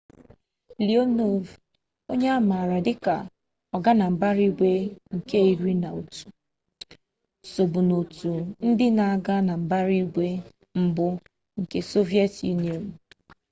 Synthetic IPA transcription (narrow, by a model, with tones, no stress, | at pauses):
li˨o˦no˦v | o˦ɲe˦a˦ma˨a˨ɾa˨dɪ˦ka̰˨ | ɔ˨ɡa˦na˨m̩˨ba˦ɾi˦ɡʷe˦ŋ̩˨ke˦i˨ɾi˦na˨o˨tu̥˨ | so˨bu˨no˨tu˨n̩˦dɪ˦na˨a˦˨ɡa˦na˨m̩˨ba˦ɾi˦ɡʷe˦ | m̩˦bʊ˦ | ŋ̩˨ke˨so˦vi˦e˦tḭ˦ne˨ɾu˨